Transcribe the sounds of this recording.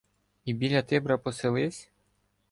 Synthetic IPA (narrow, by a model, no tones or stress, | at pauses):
ibʲilʲɐt̪ɪbɾɐpɔsɪlˠɪsʲ